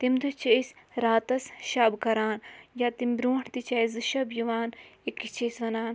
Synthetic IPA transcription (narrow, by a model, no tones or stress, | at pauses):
t̪imd̪ut͡ʃʰɐisɾaːt̪ɐsʃɐːbkɐɾaːnjaːt̪imbɾuːɳt̪it͡ʃɐizɨʃɐbjuʋaːnikːit͡ʃesʋɐnaːn